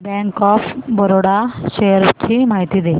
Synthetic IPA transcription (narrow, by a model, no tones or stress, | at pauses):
bɛ̃ŋkɔfbəɾoɽaɕejəɾt͡ɕimaɦit̪iːd̪e